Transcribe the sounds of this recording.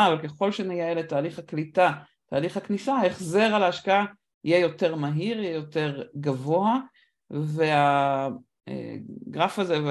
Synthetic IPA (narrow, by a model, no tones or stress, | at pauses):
avalke̞χo̞lʃenejaeletaːliχhaklita | taːliχhaknisaaeχze̞ʁalaːʃkaa | ijejo̞te̞ʁmaɦiʁijejo̞te̞ʁɡavo̞a | vea | ḛɡʁafazev